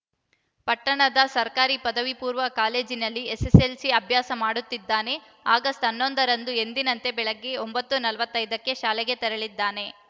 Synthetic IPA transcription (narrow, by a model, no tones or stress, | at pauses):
pɐʈːɐɳɐd̪ɐsɐɾkaːɾipɐd̪ɐʋipuːɾʋɐkaːle̞ːd͡ʒinɐlːieseselsiɐbʱjaːsɐmaːɽut̪ːid̪ːaːne̞ | aːɡɐst̪ɐnːo̞nd̪ɐɾɐnd̪ue̞nd̪inɐnt̪e̞bɛɭɐɡːe̞o̞mbɐt̪ːunɐlɐʋɐt̪ːɐjd̪ɐkːe̞ʃaːlɛɡe̞t̪ɛɾɐɭid̪ːaːne̞